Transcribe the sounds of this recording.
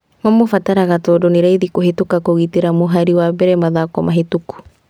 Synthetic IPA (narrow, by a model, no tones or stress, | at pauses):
mamofataɾaɣatɔːdoneɾaiðikoɦetukakoɣiteɾamoɦaɾiwabɛɾɛmaðakɔmaɦetuku̥